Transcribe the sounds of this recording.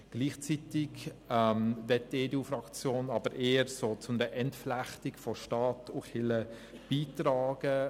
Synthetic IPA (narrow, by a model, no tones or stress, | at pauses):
ɡ̥liːχt͡sitɪkɛmvɛt̚deːdeufrɑkt͡sjoːnɑbəɾʔeːəɾsoːt͡sʊmdəʔɛntflæχtɪkfɔʃtɑːtʊχhɪlə | b̥iːtraːɡ̥ə